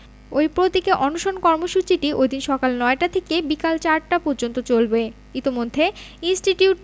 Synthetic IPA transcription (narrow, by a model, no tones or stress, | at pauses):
ojpɾot̪ikeʔɔnoʃonkɔɾmoʃut͡ɕiʈiʔojd̪inʃɔkalnɔeʈat̪ʰekebikalt͡ɕaɾʈapoɾd͡ʑont̪ot͡ɕolbe | it̪imod̪ʱːeinsʈiʈiuʈ